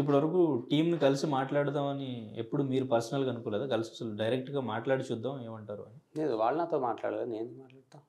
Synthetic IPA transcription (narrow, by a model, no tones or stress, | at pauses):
ip̬ːuɽʋɐɾɐkuːʈiːmnikɐlisimaːʈlaːɽut̪aːmɐniḛpːuɽumiːɾupɐɾsɐnɐlɡɐnukɔːlɛːd̪aːkɐlisiɐsɐluɖɐjɾek̚ʈɡaːmaːʈlaːɽit͡ʃud̪ːaːmeːmɐɳʈaːɾṵɐnineːd̪uʋaːɭɐnaːt̪oːmaːʈla̰ːɽleneːnd̪imaːʈlaːɽt̪aːm